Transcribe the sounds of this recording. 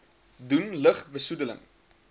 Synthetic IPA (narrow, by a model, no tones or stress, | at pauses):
dunləχbəsudələ̰ŋ